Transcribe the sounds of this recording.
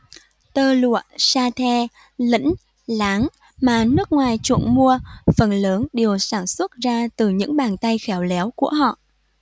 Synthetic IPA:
t̪əː˧lṵ˧˨əsaː˧t̪ʰɛ˧ | lḭ˧˥ŋ̟ | laː˨˦ŋ | maː˨˩nɨ˦˥ək̚ŋwaː˨˩jt͡ɕwṵ˧˩ənmu˧əfə˨˩nləː˨˦nɗi˨˩əwsaː˧˩nswə˦˥t̚zaː˧t̪ɨ˨˩ɲɨ̰˧˥ŋɓaː˨˩nt̪a˧jxɛ˨˦wlɛ˨˦wku˧˩əɦɔ̰˧˨ʔ

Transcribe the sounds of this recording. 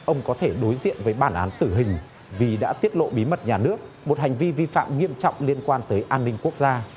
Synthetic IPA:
ʔə˧wŋ͡mkɔ˨˦t̪ʰe˧˩ɗo˨˦jzḭ˧˨ənvəː˨˦jɓaː˧˩nʔaː˨˦nt̪ɨ˧˩ɦï˨˩ŋ̟ | vi˨˩ɗa̰ː˧˥t̪i˦˥ət̚lo̰˧˨ɓi˨˦mə˨˩t̚ɲaː˨˩nɨ˦˥ək̚ | mo˨˩t̚hɦa˨˩jŋ̟vi˧vi˧fa̰ː˧˨mŋi˧əmt͡ɕɔ̰˧˨wŋ͡mli˧ənkwaː˧nt̪əː˨˦jʔaː˧nːï˧ŋ̟ku˦˥ək̚zaː˧

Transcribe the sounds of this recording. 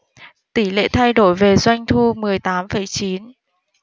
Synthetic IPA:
t̪i˧˩lḛ˧˨t̪ʰa˧jɗo˧˩jve˨˩zwa˧jŋ̟t̪ʰu˧mɨ˨˩əjt̪aː˨˦mfə˧˩jt͡ɕi˨˦n

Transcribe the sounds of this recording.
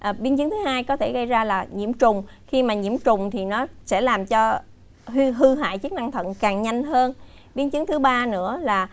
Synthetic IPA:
ʔɓi˧ənt͡ɕɨ˨˦ŋt̪ʰɨ˨˦haː˧jkɔ˨˦t̪ʰe˧˩ɣə˧jzaː˧laː˨˩ɲḭ˧˩əmt͡ɕʊ˨˩ŋ͡mxi˧maː˨˩ɲḭ˧˩əmt͡ɕʊ˨˩ŋ͡mt̪ʰi˨˩nɔ˨˦sɛ̰˧˥laː˨˩mt͡ɕɔ˧ | ɦi˧ɦɨ˧ɦa̰ː˧˨jt͡ɕɨ˦˥k̚na˧ŋt̪ʰə̰˧˨nkaː˨˩ŋɲa˧jŋ̟ɦəː˧n | ɓi˧˦ənt͡ɕɨ˨˦ŋt̪ʰɓaː˧nɨ̰˧˥əlaː˨˩

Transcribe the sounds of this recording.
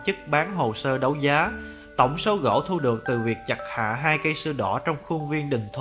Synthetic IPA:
t͡ɕɨ˦˥k̚ɓaː˨˦nɦo˨˩səː˧ɗə˨˦wzaː˨˦ | t̪ə̰˧˩wŋ͡mso˨˦wɣo̰˧˥t̪ʰu˧ɗɨ˨˩ək̚t̪ɨ˨˩vi˨˩ək̚t͡ɕa˨˩k̚ha̰ː˧˨ɦaː˧jkə˧jsɨ˧ɗɔ˧˩t͡ɕɔ˧wŋ͡mxʊ˧ŋvi˧ənɗï˨˩ŋ̟t̪ʰ

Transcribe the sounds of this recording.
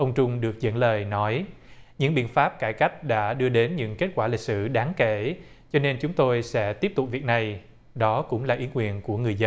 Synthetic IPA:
ʔə˧wŋ͡mt͡ɕʊ˧ŋ͡mɗɨ˨˩ək̚zə̰˧˥nləː˨˩jnɔ˨˦j | ɲɨ̰˧˥ŋɓḭ˧˨nfaː˦˥p̚kaː˧˩jka˦˥jk̟̚ɗa̰ː˧˥ɗɨ˧əɗe˨˦nɲɨ̰˧˥ŋke˦˥t̚kwaː˧˩li˨˩k̚sɨ̰˧˩ɗaː˨˦ŋke˧˩ | t͡ɕɔ˧ne˧nt͡ɕʊ˨˦ŋ͡mt̪o˧jsɛ̰˧˥t̪i˦˥p̚t̪ʊ˨˩k͡p̚vi˨˩ək̚na˨˩j | ɗɔ˨˦kʊ̰˧˥ŋ͡mlaː˨˩ʔi˨˦ənŋwḭ˧˩˨ənku˧˩əŋɨ˨˩əjzə˧n

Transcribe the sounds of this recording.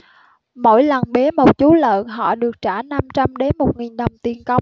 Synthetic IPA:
mo̰˧˩jlə˨˩nɓe˨˦mo˨˩t̚t͡ɕu˨˦lə̰ː˧˨nɦɔ̰˧˨ɗɨ˨˩ək̚t͡ɕaː˧˩na˧mt͡ɕa˧mɗe˨˦nmo˨˩t̚ŋi˨˩nɗə˨˩wŋ͡mt̪i˨˩ənkə˨˦wŋ͡m

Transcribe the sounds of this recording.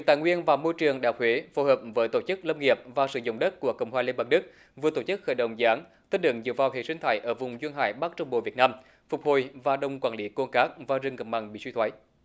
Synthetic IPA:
i˨t̪a̰ː˧˨jŋwi˧ənvaː˨˩mo˧jt͡ɕɨ˨˩əŋɗaː˨˩k̚hwe˨˦fo˨˦həː˨˩p̚vəː˨˦jt̪o˧˩t͡ɕɨ˦˥k̚lə˧mŋi˨˩əp̚vaː˨˩sɨ̰˧˩zʊ̰˧˨wŋ͡mɗə˦˥t̚ku˧˩əkə̰˧˩wŋ͡mɦwaː˨˩li˧nɓaː˨˩ŋ̚ɗɨ˦˥k̚ | vɨ˨˩ət̪o˧˩t͡ɕɨ˦˥k̚xə̰ː˧˩jɗə̰˧˨wŋ͡mzaː˨˦n | t̪i˧nlɨ̰˧˩˨ŋzɨ̰˧˨əvaː˨˩wt̪ʰḛ˧˨sï˧ŋ̟t̪ʰaː˧˩jʔəː˧˩vʊ˨˩ŋ͡mzwi˧nɦa̰ː˧˩jɓaː˦˥k̚t͡ɕə˧wŋ͡mɓo̰˧˨vi˨˩ət̚naː˧m | fʊ˨˩k͡p̚ho̰˧˨˩jvaː˨˩ɗə˧˩wŋ͡mkwaː˧nli˨˦ko˧nkaː˦˥k̚vaː˨˩zɨ˨˩ŋɣə˨˩p̚ma̰˨˩ŋɓḭ˧˨swi˧t̪ʰwə˨˦j

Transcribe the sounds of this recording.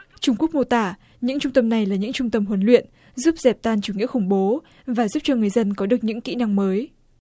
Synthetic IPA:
t͡ɕʊ˧ŋ͡mku˦˥ək̚mo˧t̪aː˧˩ | ɲɨ̰˧˥ŋt͡ɕʊ˧ŋ͡mt̪ə˧mna˨˩jlaː˨˩ɲɨ̰˧˥ŋt͡ɕʊ˧ŋ͡mt̪ə˧mɦwə˨˦nlwḭ˧˨ənʔ | zu˦˥p̚zɛ˨˩p̚t̪aː˧nt͡ɕu˧˩ŋḭ˧˥əxʊ˧˩ŋ͡mɓo˨˦ | vaː˨˩zu˦˥p̚t͡ɕɔ˧ŋɨ˨˩əjzə˧nkɔ˨˦ɗɨ˨˩ək̚ɲɨ̰˧˥ŋkḭ˧˥na˧ŋməː˨˦j

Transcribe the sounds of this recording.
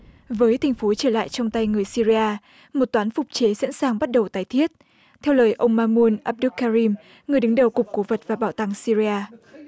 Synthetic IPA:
vəː˨˦jt̪ʰa˨˩ŋ̟fo˨˦t͡ɕəː˧˩la̰ː˧˨jt͡ɕɔ˧wŋ͡mt̪a˧jŋɨ˨˩əjsi˧ɾi˧aː˧ | mo˨˩t̚t̪waː˨˦nfʊ˨˩k͡p̚t͡ɕe˨˦sa̰˧˥nsaː˨˩ŋɓa˦˥t̚ɗə˨˩wt̪aː˨˩jt̪ʰi˦˥ət̚ | t̪ʰɛ˧wləː˨˩jʔə˧wŋ͡mmaː˧mu˧ənʔaː˧p̚ɗu˦˥kːaː˧ɾi˧m | ŋɨ˨˩əjɗɨ˨˦ŋɗə˨˩wkʊ˨˩k͡p̚ko˨˦və˨˩t̚vaː˨˩ɓaː˧˩wt̪a˧˩ŋsi˧ɾi˧aː˧

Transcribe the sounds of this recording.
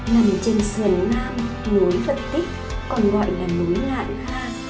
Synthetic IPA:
na˨˩m˨t͡ɕe˧nsɨ˨˩ənnaː˧m | nu˨˦nvə˨˩t̚t̪i˦˥k̚ | kɔ˧nɣɔ̰˧˨jnaː˨˩mːu˨˦ŋla̰ː˧˨j | aː˧˩

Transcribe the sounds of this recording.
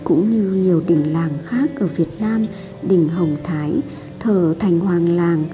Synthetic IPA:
kʊ̰˧˥ŋ͡mɲɨ˧ɲi˨˩əwɗï˨˩ŋ̟laː˨˩ŋxaː˦˥k̚ʔəː˧˩vi˨˩ət̚naː˧m | ɗï˧˩ŋ̟ɦə˨˩wŋ͡mt̪ʰaː˨˦j | t̪ʰəː˧˩t̪ʰa˨˩jŋ̟hwaː˨˩ŋlaː˨˩ŋ

